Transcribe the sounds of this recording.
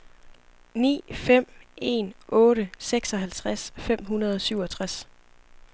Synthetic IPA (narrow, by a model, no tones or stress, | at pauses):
nḭːfem̰e̝̰ːnʔɔ̽ːɾəseɡ̥sɒ̽ɦælt͡sʰʁasfem̰ɦunɐð̞ˠɒ̽syʊ̰ɒ̽t͡sʰʁas